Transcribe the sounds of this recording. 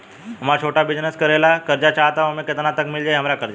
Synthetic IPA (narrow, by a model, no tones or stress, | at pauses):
ɦmat͡ɕʰoʈabid͡ʑnəskəɾelakəɾd͡ʒat͡ɕaɦt̪aʋəmeket̪ənat̪əkmild͡ʒajɦəmɾakəɾd͡ʑa